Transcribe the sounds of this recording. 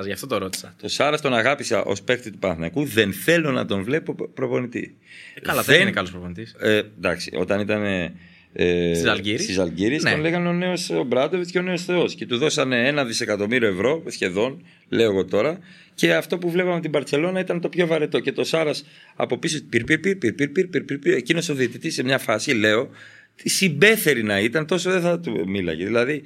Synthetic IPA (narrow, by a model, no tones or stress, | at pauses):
zʝɐft̪ot̪oɾot̪i̥sɐt̪o̞sɐɾɐst̪o̞nɐɣɐpisɐ̰ʔo̞̰spe̞kt̪it̪upɐnθnɐkuðe̞nθe̞lo̞nɐ̰t̪o̞nvle̞po̞pɾo̞po̞nit̪ḭ | ɐlɐðenekɐlospɾoonit̪isend̪ɐ̰ksi̥̰o̞̰t̪ɐnit̪ɐne̞ | sliɾsizɐlɟiɾist̪onle̞ɣɐneone̞o̞sobɾɐd̪oveceone̞o̞sθe̞o̞sce̞t̪uðo̞sɐneenɐðise̞kɐt̪o̞miɾio̞evɾo̞sçe̞ðo̞n | le̞o̞eɣo̞t̪o̞ɾɐ | ce̞ɐft̪o̞puvle̞pɐmet̪ibɐɾtt͡se̞lo̞nɐit̪ɐnt̪o̞pço̞vɐɾet̪o̞ce̞t̪o̞sɐɾɐs | ɐ̰po̞pisospiɾpiɾpiɾpiɾpiɾpiɾpiɾpiɾpiecino̞soðiet̪it̪ise̞mɲɐfɐsile̞o̞ | t̪isimbe̞θe̞ɾinɐit̪ɐnt̪o̞soðeθɐt̪umilɐ̰ʝeðilɐði